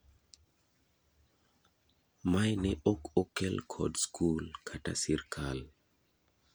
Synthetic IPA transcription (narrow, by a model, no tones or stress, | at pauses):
majnɛʔokokelkʰɔ̰dskʰulkʰatasiɾkʰal